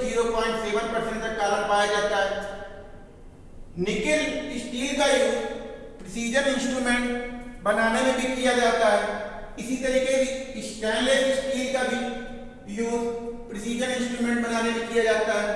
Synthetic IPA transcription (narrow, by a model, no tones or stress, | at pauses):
ziːɾopãːɪ̃ɳʈseːʋənpəɾsə̃ɳʈ̚d̪əkaːləɾpaːjad͡ʒaːt̪aɦɛː | nɪkɪlsʈiːlkaːjuː | pɾəsiːd͡ʒəɾɪ̃nsʈɾuːmẽɳʈbənaːnemẽbʱikijad͡ʒaːt̪aɦɛː | ɪsit̪əɾiːkeisʈɛ̃ːnleɖsʈiːlkaːbʱi | juːzpɾɪsiːd͡ʒənɪ̃nsʈɾuːmẽːɳʈ̚bənaːnemẽkijad͡ʒaːt̪aɦɛː